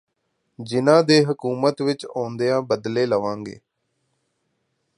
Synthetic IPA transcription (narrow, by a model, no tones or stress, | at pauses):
d͡ʒɪnãːd̪eːɦəkuːmət̪ʋɪt͡ʃɔ̃ːnd̪eːãːbəd̪leːləʋãːŋɡḛː